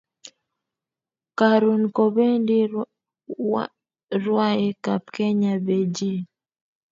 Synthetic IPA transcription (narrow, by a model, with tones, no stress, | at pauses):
ka˨ɾu˨nkɔ˨βɛ˦ndi˦ | ɾwa˦ɛ˦ka˨p̚kɛ˦ɲa˨bɛ˨d͡ʒi˦˨